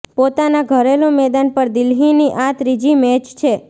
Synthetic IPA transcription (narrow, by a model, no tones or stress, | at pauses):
pot̪anaɡʱəɾelũmɛd̪anpəɾd̪ɪlɦiniʔãt̪ɾid͡ʒimɛt͡ʃt͡ʃʰe